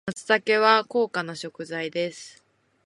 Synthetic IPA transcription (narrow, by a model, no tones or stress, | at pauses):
mat͡sɨ̥zake̞βako̞ːkanoɕo̞kɯ̟zaid̪e̞sɨ̥